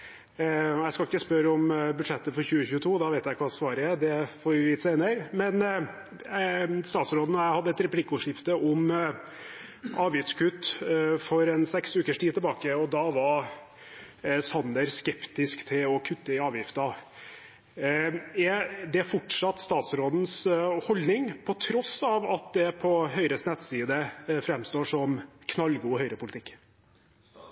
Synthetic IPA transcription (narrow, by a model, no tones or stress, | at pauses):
jæɪskɑlɪkːəspœɾəɔmbʉd̪ʂɛt̪ːəfɔɾçʉːəçʉːət̪ʰuːd̪ɑʋeɪt̪jæɪkʰɑsʋɑːɾəæd̪ɛfɔɾʋɪːt̪seɪnəɾmɛn | st̪ɑːt̪sɾoːd̪nɔjæɪhɑd̪ːəɛt̪ɾɛpʰlikːɔʂɪft̪əʔɔm | ɑːʋjɪft̪skʰʉt̪ːfɔɾɛnsɛksʉːkəʂʈʰiːd̪t̪ʰɛlbɑːkəɔd̪ɑʋɑɾ | sɑnd̪əɾskɛpt̪ɪskt̪ʰɪlɔkʰʉt̪ːəɪɑːʋjɪft̪ɑ | ɛd̪ɛæfɔʈʂɑt̪ːst̪ɑːt̪sɾoːd̪n̩shɔld̪nɪŋpʰɔt̪ʰɾɔsɑʋɑt̪̚d̪ɛpʰɔɦœʏɾəsnɛt̪siːd̪əfɾɛmst̪oːʂɔmkʰnɑlɡuːhœʏɾəpʊlt̪ɪkː